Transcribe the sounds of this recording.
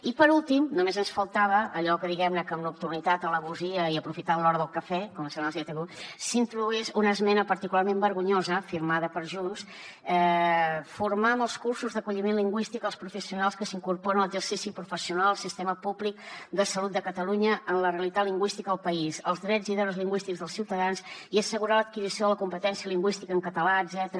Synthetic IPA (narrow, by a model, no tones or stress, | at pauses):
ipəɾulˠt̪imnumezənsfəlˠt̪aβ̞əʔːʎɔkəðiɣɛmnəkəmlupt̪unit̪at̪ələβuziəiəpɾufit̪aðəlɔɾəðəlˠkəfɛkɔməsɛnziɛt̪əɣusint̪ɾuðuɛzunəzmɛnəpəɾt̪ikularmembəɾɣuɲozəfiɾmaðəpəɾʒuns | ɛ | fuɾmaməlˠskursuzðəkuʎimẽnliŋɡwist̪ikəlˠspɾufəsiunalˠskəsiŋkurpɔɾənələɡzərsisipɾufəsiunalˠəlˠsist̪ɛməpublik̚d̪əsəlut̪̚d̪əkət̪əluɲəʔənləreəlit̪atliŋɡwist̪ikəðəlˠpəizəlˠzðɾɛd͡zziðɔɾəzliŋɡwist̪iɡzðəlˠsiwt̪əðansiəsəɣuɾalət̪̚kizisioðələkumpət̪ɛnsiəliŋɡwist̪ikəŋkət̪əlaədzɛt̪əɾə